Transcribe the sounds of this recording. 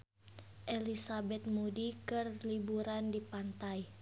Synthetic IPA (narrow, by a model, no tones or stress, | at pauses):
ʔɛlisabɛt̪̚mudikɨrlibuɾandipant̪aj